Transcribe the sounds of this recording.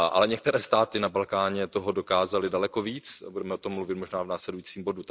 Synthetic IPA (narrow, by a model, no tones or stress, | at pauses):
ʔa̰lɛɲɛkt̪ɛɾɛːst̪aːt̪ɪnabalkaːɲɛt̪o̞ɦo̞do̞kaːzalɪdalɛko̞viːt͡sbudɛmɛot̪o̞mːluvɪt̪mo̞ʒnaːvnaːslɛdujiːt͡siːmbo̞du